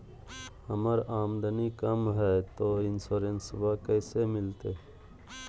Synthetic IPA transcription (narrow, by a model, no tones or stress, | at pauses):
həməɾaːmd̪ənikəmɦɛːt̪oːɪnsoːɾensbakəːsemɪlt̪eː